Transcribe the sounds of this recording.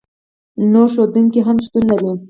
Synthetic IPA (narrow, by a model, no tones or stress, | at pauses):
noɾʃ̬od̪uŋkiɦamʃt̪unːali